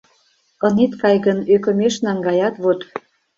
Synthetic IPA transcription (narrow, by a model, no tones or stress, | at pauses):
ɤ̆net̪kɑjɣənøkə̆meʃnɑŋɡɑjɑt̪βot̪